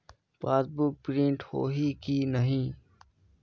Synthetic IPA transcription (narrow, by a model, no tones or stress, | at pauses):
paːsbʊk̚pɾĩɳʈho̰ːɦiːkiːnəɦĩː